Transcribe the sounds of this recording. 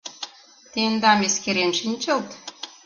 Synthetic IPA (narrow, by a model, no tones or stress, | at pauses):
t̪end̪ɑmeskeɾenʃinʲt͡ɕə̆lt̪